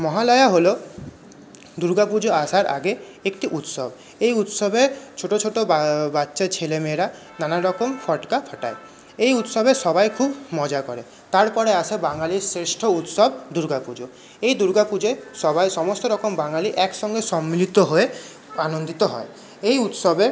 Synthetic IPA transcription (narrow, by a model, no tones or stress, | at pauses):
mɔɦalɔjaɦolo | d̪uɾɡapud͡ʒoasaɾʔa̰ɡe | ekʈiʔut̪sɔb | ejut̪sɔbet͡ʃʰoʈot͡ʃʰoʈobatːʃet͡ɕʰelemeɾa | nanaɾɔkomfʰɔʈkapʰɔʈa̰e | ejut̪sɔbesɔbajkʰubmɔd͡ʒakɔɾe | t̪aɾpɔɾeasebaŋaliɾsɾesʈʰout̪sɔbd̪uɾɡapud͡ʒo | ejd̪uɾɡapud͡ʑesɔbajsɔmost̪oɾɔkombaŋaliʔɛksɔŋɡesɔmːilit̪oɦoe | anond̪it̪oɦɔ̰e | ejut̪sɔbe